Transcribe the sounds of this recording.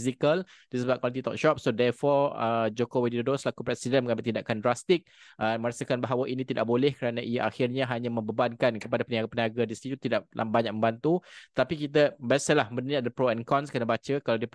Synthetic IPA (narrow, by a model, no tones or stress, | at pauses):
zikəl | d̥isəbap̚kwalit̪it̪ɔ̰k̚ʃɔp̚sodɛrfɔɾəd͡ʒokowedidodoslakupɾɛsidɛnməŋamət̪indaʔkandɾast̪ɪk̚ʔəmə̃ɾasakanbaɦawaʔinĩt̪ida̰ʔ̚bolɛhkəɾanãʔijaʔaxirɲãɦaɲãmə̃mbəbankankəpadapəniapəniaɡadist̪it̪ut̪idaʔ̚lʔa̰baɲak̚məmbant̪ut̪ət̪apikit̪̬abasəlahmənəniad̪əpɾoɛnkɔnskənabat͡ʃəkalawdiə